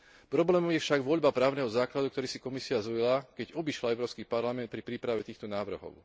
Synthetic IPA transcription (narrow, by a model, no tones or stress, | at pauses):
pɾɔblɛːmɔmjɛfʃaɡʋɔʎbapɾaːʊnɛɦɔzaːklad̪ukt̪ɔɾiːsikɔmisiazɔlilakɛɟɔbiʃlaɛʊɾɔːskipaɾlamɛnt̪̚pɾipɾiːpɾaʋɛt̪iːxt̪ɔnaːʋr̩ɦɔ̰ʊ